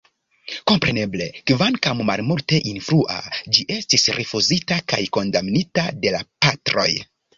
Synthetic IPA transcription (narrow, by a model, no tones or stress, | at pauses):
ko̞mpɾe̞ne̞ble̞kvankammalmulte̞ʔinfɾuʔa̰d͡ʒiʔe̞stisɾʔifuzitaka̰jko̞ndamnitade̞lapatɾo̞̰j